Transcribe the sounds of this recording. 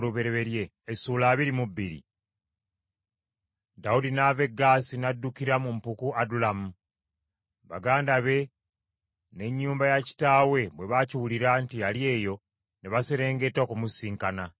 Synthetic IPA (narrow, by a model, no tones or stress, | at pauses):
ɾuβe̞ɾeβe̞ɾje̞ːsuːlaːβiɾimubːiɾḭ | daudinave̞ɡaːsinadːukiɾamumpukuadulamu | βa̰ɡaːndaβe̞ | ne̞ɲːuːmbajaci̥taːwe̞βwe̞βaciwuliɾaːntialje̞ːjo̞ | neβaseɾe̞ːŋɡe̞tːokumusiːŋkana